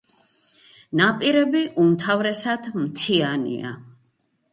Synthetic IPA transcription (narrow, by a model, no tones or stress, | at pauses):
napʼiɾɛbiʔumt̪ʰavɾɛsad̪̥mt̪ʰianḭa̰